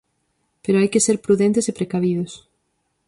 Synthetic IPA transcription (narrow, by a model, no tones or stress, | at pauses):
peɾoajkɪseɾpɾuðẽnt̪ɪsepɾekaβ̞iðʊs